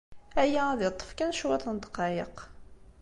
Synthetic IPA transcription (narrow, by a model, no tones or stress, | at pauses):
æjææðɪt̪ˤːə̥fkænʃwæt̪ˤənd̪qɑjəq